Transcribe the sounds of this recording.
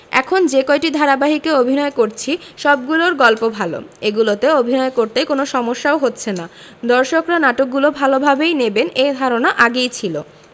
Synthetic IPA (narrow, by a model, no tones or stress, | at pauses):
ɛ̰kʰond͡ʑekoeʈid̪ʱaɾabaɦikeobʱinɔekoɾt͡ɕʰiʃɔb̚ɡuloɾɡɔlpobʱalo̰eɡulot̪eobʱinɔekoɾt̪ekonoʃɔmoʃːaoɦotːɕʰena | d̪ɔɾʃokɾanaʈok̚ɡulobʱalobʱabejnebened̪ʱaɾonaʔaɡejt͡ɕʰilo